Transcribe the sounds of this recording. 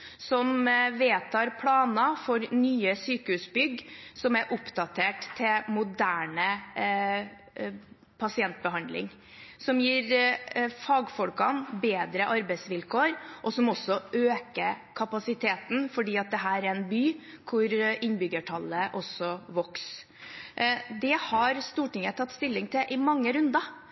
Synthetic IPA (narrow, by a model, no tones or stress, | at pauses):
sɔmʋeːt̪ʰɑːɾpʰlɑːnɑfɔɾnyːəsyːkəhʉsbʏɡsɔmæʔʊpd̪ɑt̪ʰeːʈt̪ʰːɪmʊd̪æːɳə | pʰɑsɪɛnt̪̚bəɦɑnd̪lɪ̰ŋ | sɔmjiːɾ | fɑːɡfɔlkɑnbeːd̪ɾəʔɑɾbɛɪsʋɪlkʰoːɾʔɔsɔmɔsɔʔøːkəkʰɑpɑsɪt̪ʰeːt̪n̩fɔɖiːɑt̪̚d̪ɛɦæːɾæɾɛnbyːkʰʊɾɪnbʏɡəʈʰɑlːəʔɔsːɔʋɔks | d̪ɛhɑɾst̪uːʈɪŋət̪ʰɑt̪ːst̪ɪlːɪŋt̪ʰɪʔɪmɑŋːəɾʉnd̪ɑ